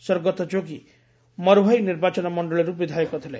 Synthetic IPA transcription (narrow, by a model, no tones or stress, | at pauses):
sɔɾɡɔt̪ɔd͡ʒoɡi | mʌɾɦʌjniɾbat͡ʃɔnɔmɔɳɖɔɭiɾubid̪ʱajekɔt̪ʰile